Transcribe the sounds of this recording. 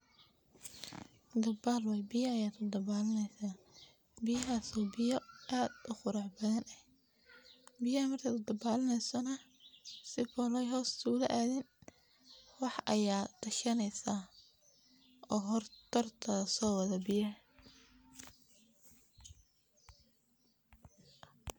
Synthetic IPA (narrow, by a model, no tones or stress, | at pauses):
d̪ɐbaːlwɛjbɪjɐɐjaːd̪ʰʊd̪ɐbaːlɪnɛjsaː | bɪjɐɦaːsɔːbɪjɐʔaːd̪ʔʊχʊɾɑħbɐðɐnʔɐh | bɪjɐhɐmɐrk̪ʰɐd̪ɐbaːlɪnɛjsɔnɐ | sɪfɔlɛjɦɔːst̪ʰuːlɐ̰ʔaːðɪn | wɑħʔɐjaːt̪ʰɐʃɐnɛjsaː | ʔɔːɦɔrt̪ʰɐrt̪ʰɐsɔːwɐðɐbɪjɐ